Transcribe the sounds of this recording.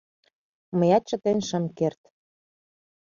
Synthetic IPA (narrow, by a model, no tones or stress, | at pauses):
məjɑt̪̚t͡ɕə̆t̪enʃə̆mkert̪